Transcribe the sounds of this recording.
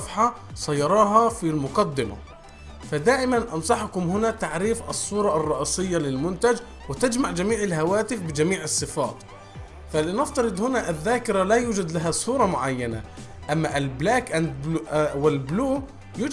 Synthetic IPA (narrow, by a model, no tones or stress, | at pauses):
fħa | sˤɑjːɑɾˤɑːɦɑfilmʊqɑd̪ːɪma̰ | fad̪aːʔɪmanʔɑnsˤɑħkʊmhɪnat̪aʕɾiːfʔɑ̰sˤːuːɾˤɑʔɑrˤːɑʔiːsˤɪjːalɪlmʊnt̪ad͡ʒ | wɪt̪ad͡ʒmaʕd͡ʒamiːʕɪlɦawaːt̪ɪfbɪd͡ʒamiːʕɑsˤːɨfɑ̰ːt̪ | falɪnɪft̪ɑɾɨd̪ˤhʊnaʔaðːaːkɪɾalajuːd͡ʒad̪laɦasˤuːɾˤɑmʊʕajːana̰ | ʔamːaʔɪlblaːkʔand̪bwɪlbluː | juː